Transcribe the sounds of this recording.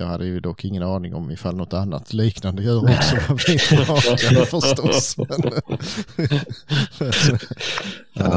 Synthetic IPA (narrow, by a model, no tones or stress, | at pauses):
ɑːɡhad̪ːəjɵd̪ɔkʰːɪŋːənɑːnɪŋɔmɪfalnɔt̪ːanːa̰t̪ʰliːknand̪əjʉːɾɔksɔvavɪɑːkafœʂt̪ɔsɛn